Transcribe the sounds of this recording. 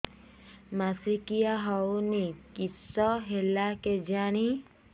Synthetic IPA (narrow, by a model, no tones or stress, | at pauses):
masikijaɦɔwnikisɔɦelaked͡ʒaɽ̃i